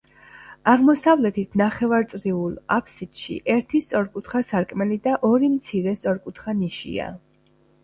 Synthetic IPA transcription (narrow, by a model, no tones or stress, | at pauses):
aʁmɔsavlɛt̪ʰit̪ʰnaχɛvaɾt̪sʼɾiulˠapʰsit̪ʃḭʔɛɾt̪ʰist̪sʼɔɾkʼut̪ʰχasaɾkʼmɛlid̪aʔɔɾimt̪sʰiɾɛst̪sʼɔɾkʼut̪ʰχaniʃḭa̰